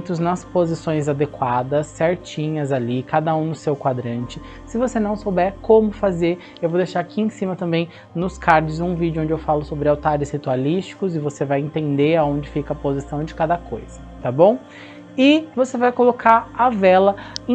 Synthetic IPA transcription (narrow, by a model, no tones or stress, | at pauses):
t̪ʊznɐspozisõj̃zad̪ekwad̪ɐsːɛɾt͡ʃĩɲɐzalikad̪ɐũnʊsewkwad̪ɾɐ̃nt͡ʃɪ | sɪvosenɐ̃w̃sowbɛɾkõmʊfazeɾ | ewvowd̪ejʃaɾakiẽsĩmɐt̪ɐ̃mbẽj̃ | nʊskaɾd͡ʒʊzũvid͡ʒʊõd͡ʒɪewfalʊsobɾɪawt̪aɾɪzhit̪ualist͡ʃi̥kʊzɪvosevajẽnt̪ẽnd̪eɾaõd͡ʒɪfikɐpozisɐ̃w̃d͡ʒɪkad̪ɐkʰojz̥ɐt̪abõw̃ | ɪvosevajkolokaɾɐvɛlɐ̃